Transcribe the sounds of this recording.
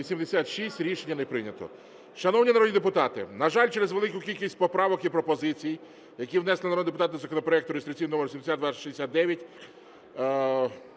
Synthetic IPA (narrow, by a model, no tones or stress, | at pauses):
isʲimd̪esʲat̪ʃisʲtʲɾʲiʃenʲːɐnepɾɪnʲɐt̪ɔ̰ | ʃɐnɔwnʲinɐɾɔdʲnʲid̪epʊt̪ɑt̪ɪnɐʒɑlʲt͡ʃeɾezʋelˠɪkʊkʲilʲkʲisʲt̚ʲpɔpɾɑʋɔkipɾɔpɔzɪt͡sʲij | jɐkʲiwnɛslˠɪnɐɔndepʊt̪ɑt̪zɐkɔnɔpɾɔɛkt̪ʊɾest̪ɾɪk̚t͡sʲijnɔmeɾsʲimesʲat̪d̪ʋɑʃizd̪esʲat̪̚d̪ɛʋʲjɐtʲ